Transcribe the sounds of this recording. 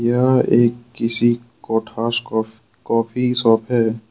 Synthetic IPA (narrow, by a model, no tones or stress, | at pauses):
jaeːkːɪsi | kɔːʈʰaːʃ | kɔːpʰisɔːpʰɦɛː